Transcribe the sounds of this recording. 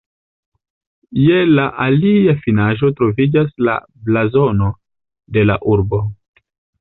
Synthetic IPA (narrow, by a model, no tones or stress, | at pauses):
jelaʔaliafinaʒo̞tɾo̞vid͡ʒasla̰ | blazo̞no̞ | de̞la̰ʔuɾbo̞